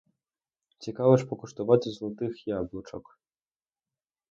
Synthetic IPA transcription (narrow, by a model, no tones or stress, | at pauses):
t͡sʲikavɐʂpɔkuʂt̪ɐvat͡sʲzlˠut̪ɨxjablˠut͡ʂɔk